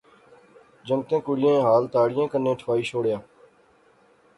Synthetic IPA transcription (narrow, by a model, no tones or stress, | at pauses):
d͡ʒəŋt̪ẽːkʊɽɪjẽːɦaːlt̪aːɽɪjẽːkənːẽːʈʰʋaːiːt͡ʃʰoːɽjaː